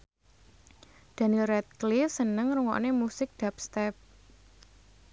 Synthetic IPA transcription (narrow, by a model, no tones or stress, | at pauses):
d̪̥a̤nirɛt̪̚klifsənəŋruŋɔ̰ʔnemusɪk̚d̪̥ap̚st̪ɛp̚